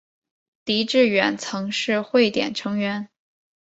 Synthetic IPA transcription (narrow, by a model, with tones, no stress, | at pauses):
t̪i˧˥ʈ͡ʂɻ̩˥˩ɥɛ˨˩nt͡sʰɤ˧˥ŋʂɻ̩˥˧xwe˥˩ɪt̪jɛ̰˨˩nʈ͡ʂʰɤ˧˥ŋɥɛ˧˥n